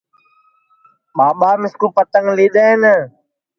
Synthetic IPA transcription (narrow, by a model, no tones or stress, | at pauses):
ɓaːɓaːmɪskuːpət̪əŋɡliːɗ̪eːɦnə